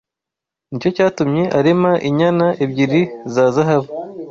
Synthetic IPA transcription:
nico̞caːtumɲe̞ʔaɾemaʔiɲanaʔebɟiɾizaːzaɦaβa

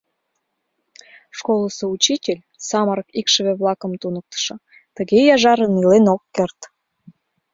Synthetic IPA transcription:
ʃkoləsout͡ɕitʲelʲ | sɑməɾəkikʃəβeβlɑkə̆mt̪unək̚t̪ə̥ʃɤ̆ | t̪əɣejɑʒɑɾənilenokːert̪

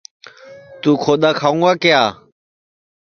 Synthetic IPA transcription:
t̪ũːkʰoːɗ̪aːkʰaːʋũŋɡaːkɪjaː

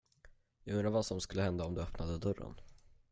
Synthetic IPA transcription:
jɑːɡɵnɾaɾvasɔmskɵlːəhɛnd̪aɔmd̪ɵœpnad̪əd̪ɵɾːə̰n

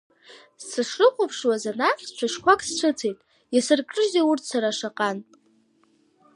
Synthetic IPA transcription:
ssɨʂrɨqʷʼopʰʂwazanaχʲt͡ʃʷʰaʃkʷakʼsʈ͡ʂʷʰɨt͡sʰejtʼ | jasɨrkʼrɨzeurtʰsaɾaʂaqʼan

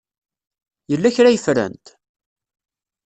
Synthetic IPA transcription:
jəlːæçɾæjəfɾə̰nt̪

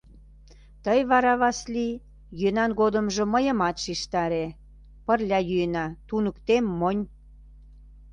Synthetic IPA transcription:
t̪əjβɑɾɑβɑsli | jønɑnɣod̪ə̆mʒə̆məjə̆mɑt̪ʃiʃt̪ɑɾe | pərlʲɑjyənɑt̪unəkt̪emːonʲ

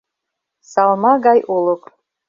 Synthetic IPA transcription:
sɑlˠmɑɡɑjolˠok

